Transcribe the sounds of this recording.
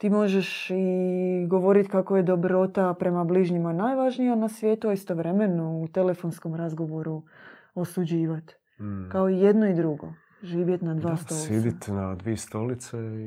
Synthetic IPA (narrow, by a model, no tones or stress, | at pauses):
t̪iːmo̞ʒe̞ʃiɡo̞ʋo̞ɾit̪kakoje̞d̪o̞bɾo̞t̪apɾe̞mabliʒɲimanaːjʋaʒnijanasʋjeːt̪uaist̪o̞ʋɾe̞me̞nout̪e̞le̞fo̞nsko̞mɾazɡo̞ʋo̞ɾu | o̞sud͡ʑiːʋat̪ | kao̞ije̞d̪noid̪ɾuɡo̞̰ | ʒiːʋje̞t̪nad̪ʋaːst̪osleːd̪it̪nad̪ʋiest̪o̞lit̪se